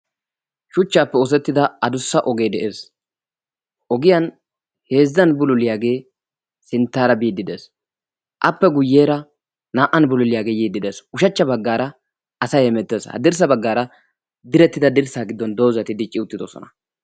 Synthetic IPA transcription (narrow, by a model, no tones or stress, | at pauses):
ʃʊt͡ʃːaːpːɛɔs̬ɛt̪ːɪd̪ɐɐd̪ʊsːɐʔɔɡe̞ːd̪ɛʔeːs | ʔɔɡɪjɐn | he̞ːzːɐnbʊlʊlɪjaːɡe̞ː | sɪnt̪ːaːɾɐbiːd̪ːɪd̪es | ʔɐpːɛɡʊjːe̞ːɾɐ | naːʔɐnbʊlʊlɪjaːɡe̞ːjiːd̪ːɪd̪esʊʃɐt͡ʃːɐbɐɡːaːɾɐ | ʔɐsɐjɛmɛt̪ːeːshɐ̰d̪ɪɾs̬ɐbɐɡːaːɾɐ | d̪ɪɾɛt̪ːɪd̪ɐd̪ɪɾsaːɡɪd̪ːɔnd̪o̞ːzɐt̪ɪd̪ɪt͡ʃʼːɪʊt̪ːɪd̪ɔsɔ̰nɐ̥